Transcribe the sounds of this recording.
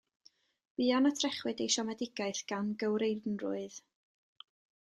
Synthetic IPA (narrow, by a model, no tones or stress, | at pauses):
b̥iːanatʰrɛχwɨdejʃɔmɛdɪɡaɨθɡ̥anɡəwɾejnrʊ̰ɨð